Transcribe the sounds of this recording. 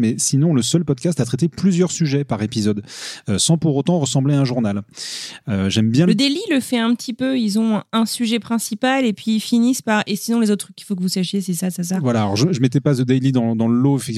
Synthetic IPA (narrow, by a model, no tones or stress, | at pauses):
mɛsinɔ̃ləsœlpɔd̪kʲast̪at̪χɛt̪eplyzjœʁsyʒɛpaʁepizɔd̪øsɑ̃puʁot̪ɑ̃ʁəsɑ̃bleaɛ̃ʒuʁnal | øʒɛmbjɛ̃ləd̪eliləfɛɛ̃pət̪ʰipøilzɔ̃ɛ̃syʒɛpχɛ̃sipalepɥifinispaʁesinɔ̃lezot̪χykʲːi̥fok̬əvusaʃjes̬isasas̬avwalaːlɔʁʒəʒəmɛt̪ɛpasəd̪ɛjlid̪ɑ̃d̪ɑ̃ləloefɛkt̪i